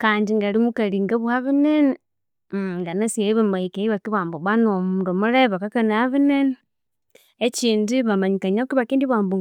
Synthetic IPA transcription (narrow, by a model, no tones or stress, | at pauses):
kaːndiŋɡalimukaliːŋɡaβwaβinene | ŋɡanasieiβamaikeiβakiβaːmboβwanomuːndomuɾeβakakanaβinene | et͡ʃiːndiβamaɲikaɲakiβakiːndiβwaːmbu